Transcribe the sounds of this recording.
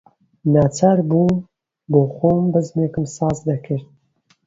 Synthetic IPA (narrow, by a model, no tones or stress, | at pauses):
naːt͡sʰaːɾbuː | boːxoːmbɨzmekɨmsɑːzd̪ɐkʰɨɾd̪̚